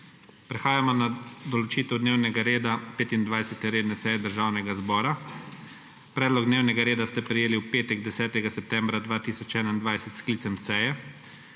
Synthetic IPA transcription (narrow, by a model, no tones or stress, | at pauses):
pɾɛxaːjamɔnad̪ɔlɔt͡ʃiːt̪ɛwd̪neːwnɛɡaɾeːd̪apeːt̪ind̪ʋajsɛt̪ɛɾeːd̪nɛsɛjɛd̪əɾʒaːwnɛɡazbɔːɾa | pɾɛːd̪lɔɡd̪neːwnɛɡaɾeːd̪ast̪ɛpɾɛjeːliwpeːt̪ɛɡd̪ɛsɛːt̪ɛɡasɛp̚t̪ɛːmbɾad̪ʋaːt̪isɔt͡ʃɛːnaind̪ʋajsɛt̪skliːtsɛmsɛjɛ